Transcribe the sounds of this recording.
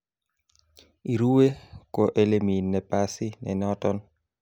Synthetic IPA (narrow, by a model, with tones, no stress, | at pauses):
i˨ɾu˦we˦ko˨ʔe˦le˦mi˨nːɛ˨pasɪ˦nɛ̰˨nɔtɔn